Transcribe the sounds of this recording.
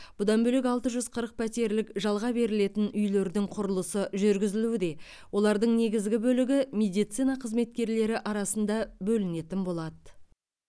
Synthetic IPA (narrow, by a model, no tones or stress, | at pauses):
b̥ʊd̪ɑnbɵlek̬ʲɑlˠt̪əʒʏzqʰəɾəq̚pʰæt̪e̞ɾlɪkʒɑlˠʁɑbe̞ɾɪle̞t̪ɪnʏjle̞ɾd̪ɪŋqʰʊɾəlˠəsəʒʏɾɡʲɪzɪluɪd̪e̞ | wʔo̞lˠɑɾd̪əɴne̞ɡʲɪzɡʲɪbɵlɪɡʲɪmʲe̞d̪ijt̪sijnɑqʰəzme̞t̪̚kʲe̞ɾle̞ɾɪʔɑɾɑsənd̪ɑbɵlɪne̞t̪ɪnbo̞lˠɑd̪ə